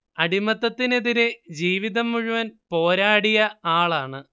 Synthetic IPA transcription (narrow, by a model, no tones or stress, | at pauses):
ɐɽimɐt̪ːɐt̪ːine̞ðiɾed͡ʑiːʋiðɐmːuɻuʋɐnpo̞ːɾaːɽijɐaːɭaːɳɨ